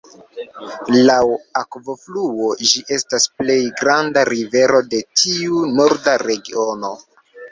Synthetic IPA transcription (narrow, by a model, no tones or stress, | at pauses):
lawakvo̞fluo̞d͡ʒiʔe̞stasple̞jɡɾandaɾive̞ɾo̞de̞tʰiuno̞ɾdaɾe̞ɡio̞no̞